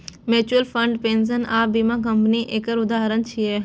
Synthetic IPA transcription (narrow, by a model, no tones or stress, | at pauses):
met͡ʃuəlfʰə̃ɳɖpẽns̬ənaːbimãk̬ə̃mpniʔeːkəɾʊd̪aːɦəɾənt͡ʃʰije